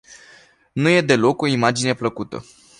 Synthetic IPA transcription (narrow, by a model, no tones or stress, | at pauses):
nuje̞d̪e̞lo̞ko̞imad͡ʒine̞pləkut̪ə̰